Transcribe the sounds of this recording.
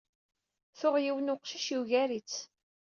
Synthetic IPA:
θʊʁjiwnʊqʃiʃiwʝæɾit͡sː

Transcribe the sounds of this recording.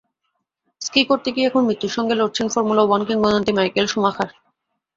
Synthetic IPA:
skikoɾt̪ekiɛkʰonmɾit̪ːuɾʃɔŋɡeloɾt͡ɕʰenfoɾmulawɔnkiŋmɔd̪ont̪imajkelʃumaxʰaɾ

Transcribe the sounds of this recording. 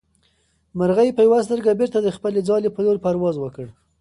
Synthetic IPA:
məɾɣajpəjawas̬t̪əɾɡabeɾt̪ad̪əxpəled͡zɑlepəloɾpaɾwɑzwəkəɽ

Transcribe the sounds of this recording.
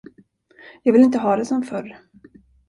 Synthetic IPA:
jɑːɡvɪlɪnt̪əɦɑːd̪ɛsɔmfœɾ

